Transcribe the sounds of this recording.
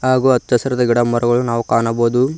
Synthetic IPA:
ɦaːɡuːɐt̪ːɐsɐɾɐd̪ɐɡiɽɐmɐɾɐɡɐɭunaːʋukaːɳɐboːd̪u

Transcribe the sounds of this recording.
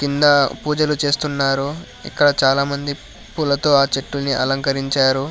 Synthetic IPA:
kind̪ɐpuːd͡ʒɐlut͡ʃe̞ːst̪unːaːɾu | ḭkːɐɽɐt͡ʃaːlaːmɐnd̪i | pulɐt̪o̞ːaːt͡ʃeʈːulniʔɐ̰lɐŋkɐɾiɲt͡ʃaːɾu

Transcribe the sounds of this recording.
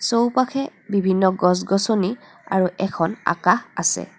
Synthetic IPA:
sowpakʰɛbibʱinːɔɡɔs̬ɡɔsoni | a̰ɹuʔɛkʰɔna̰kaxasɛ̰

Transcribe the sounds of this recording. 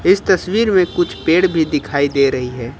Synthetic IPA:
ɪst̪ɐswiːɾmẽkʊt͡ʃʰpeːɽbʱid̪ɪkʰaːid̪eːɾɐɦiɦɛː

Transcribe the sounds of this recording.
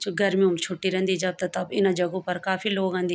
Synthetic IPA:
t͡ʃoɡʱɐɾmiũːmt͡ʃʰʊʈːiɾɛ̃nd̪id͡ʒɐb̚t̪ɐt̪ɐbɪnãd͡ʒɐɡõpɐɾkaːfiloːɡãːnd̪i

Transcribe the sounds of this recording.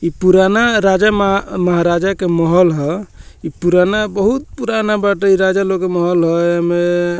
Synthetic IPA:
ipuɾanaɾad͡ʒaməɦaɾad͡ʒakemɔɦɔlɦɔipuɾanabəɦut̪̚puɾanabaʈeiɾad͡ʒalokːemɔɦɔlɦɔme

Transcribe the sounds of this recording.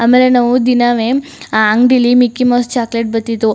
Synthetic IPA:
ɐmːelenaʋud̪inaːʋeaŋɖilimikːimoːst͡ʃaːkleʈ̚bɐt̪ːit̪ːu

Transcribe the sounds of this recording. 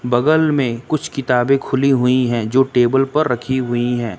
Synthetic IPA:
bɐɡəlmẽkʊt͡ʃʰkɪt̪aːbẽkʰʊliɦʊiɦɛ̃ːd͡ʒoːʈeːbəlpɐɾːɐkʰiɦʊiɦɛ̃ː

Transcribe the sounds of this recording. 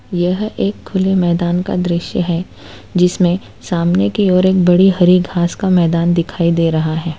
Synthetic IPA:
jɐɦeːkʰːʊlemɛːd̪aːnka̰d̪ɾɪʃjəɦɛ | d͡ʒɪsmẽ | saːmnekiɔːɾeːkbɐɽiɦɐɾiɡʱaːskamɛːd̪aːnd̪ɪkʰaːid̪eːɾɐɦaɦɛː

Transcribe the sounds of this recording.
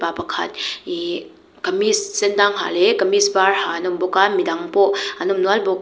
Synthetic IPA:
papakʰa̰t̚i | kɐmissendaŋɦa̰lekɐmisbaɾhanɔmbɔkamidaŋpɔanɔmnualbɔ

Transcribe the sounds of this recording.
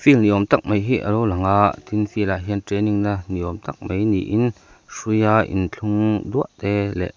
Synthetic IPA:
filniʔɔmt̪ak̚mejɦiʔəlowlɐŋaʔt̪ʰinfilaɦint̪ɾeniŋnaniɔmt̪ak̚mejnḭʔin | sujaːʔḭnt͡ɬʰuŋd̪uəʔt̪ɛːlɛ̰ʔ

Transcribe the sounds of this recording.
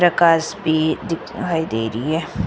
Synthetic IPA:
ɾɐkaːsbʱid̪ɪkʰaːid̪ḛːɾiɦɛː

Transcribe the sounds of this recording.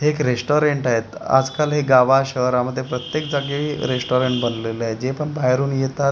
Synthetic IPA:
ɦeːkɾesʈoɾeɳʈaɦet̪a̰d͡zkalɦeɡaʋaɕəɾaməd̪ʱjepɾət̪jek̚d͡zaɡeiɾesʈoɾeɳʈbənleləajd͡ʑepəɳbaɦɾuːnjet̪at̪

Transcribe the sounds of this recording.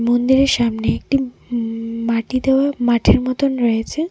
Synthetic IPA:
mond̪iɾeɾʃamneek̚ʈi | maʈid̪eoamaʈʰeɾmɔt̪onɾɔjet͡ɕʰe

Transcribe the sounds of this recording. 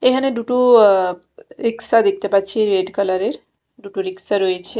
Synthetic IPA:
eɦəneɖuʈu | ɾiksad̪ek̚ʰt̪epat͡ʃʰieɾʋeɖkələɾeɾ | ɖuʈuɾiksəɾɦojt͡ʃʰe

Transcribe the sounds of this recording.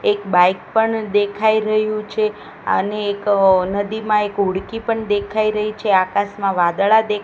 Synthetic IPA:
ekbajk̚pəɳd̪ekʰaiɾəɦjũt͡ʃʰe | ə̰neːknəd̪imãekɦuɽkipəɳd̪ekʰaiɾəɦit͡ʃʰeakasmãʋãd̪ɭad̪e

